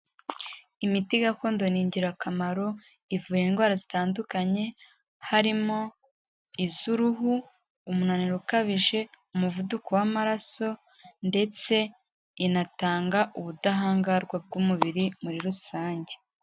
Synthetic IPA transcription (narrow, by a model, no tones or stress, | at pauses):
imitiɡako̞ːndo̞niːɲɟiɾakamaɾo̞ | ivuːjenɡwaːɾazitaːndukaɲe̞ | haɾimo̞ | izuɾuɦuː | munaniɾukaβiʒe̞umuvudukowamaɾaso̞ | nde̞t͡se̞ | inataːŋɡaʔuβudaɦaːŋɡaɾɡwab̚ɡumuβiɾimuɾiɾusaːɲɟe̞